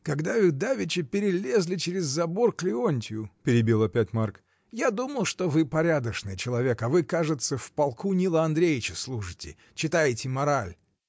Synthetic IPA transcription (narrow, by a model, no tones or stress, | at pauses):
kɐɡd̪avɨd̪avʲɪt͡ɕɪpʲɪɾʲɪlʲe̞zlʲɪt͡ɕɪɾʲɪzːɐbo̞rklʲɪo̞nʲtʲɪjʊpʲɪɾʲɪbʲilˠɐpʲætʲmark | jad̪uməlˠʂt̪o̞vɨpɐɾʲad̪əʂnɨjt͡ɕɪlˠɐvʲe̞kɐvɨkaʐɨt̪səfpɐlˠkunʲilˠəɐnd̪ɾʲejʲɪt͡ɕɪslˠuʂɨtʲɪ̰ | t͡ɕɪt̪ajɪtʲɪmɐɾalʲ